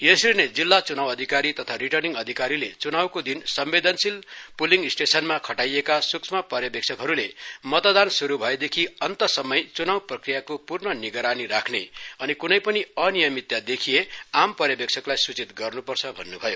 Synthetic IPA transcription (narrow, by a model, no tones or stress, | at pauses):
jesirned͡zilːat͡sunawʌd̪ʱikaɾit̪ʌt̪ʰaɾiʈʌrniŋɡʌd̪ʱikaɾilet͡sunawkod̪insʌmbed̪ʌnsilpuliŋɡisʈesʌnmakʰʌʈajekasuksʰmapʌrjʌbek̚t͡sʰʌkɦʌɾulemʌt̪od̪ansuɾubʱʌed̪ekʰiʌnt̪ʌsʌmʌjt͡sunawprʌkrijakopurnʌniɡʌɾaniɾakʰneʌnikunʌjpʌniʌnijʌmit̪jad̪ekʰijeampʌrjʌbekt͡sʰʌklajsut͡sit̪ɡʌrnupʌrt͡sʰʌbʱʌnːubʱʌjo